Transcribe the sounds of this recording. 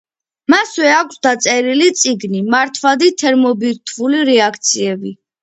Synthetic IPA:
maswɛakʷʰsd̪at̪sʼɛɾilit̪sʼiɡnimaɾt̪ʰvad̪it̪ʰɛɾmɔbiɾt̪ʰvuliɾɛakʰt̪sʰiɛbi

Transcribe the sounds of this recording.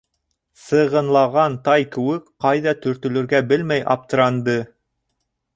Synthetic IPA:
sɤ̆ʁɤ̆nlˠɑʁɑnt̪ɑjkɘ̆wɘkqɑjðɑt̪ɵ̆ɾt̪ɵ̆lɵ̆ɾɡæbɘlmæjʔɑ̰p̚t̪ɤ̆ɾɑnd̪ɤ

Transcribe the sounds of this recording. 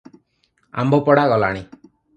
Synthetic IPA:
a̰mbʱopɔɽaɡɔla̰ɽ̃i

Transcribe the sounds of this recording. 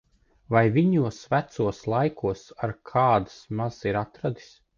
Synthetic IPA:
vajviɲuɔsvæt̪suɔslˠajkuɔsaɾkʰaːd̪asmaz̥iɾat̪ɾad̪i̥s

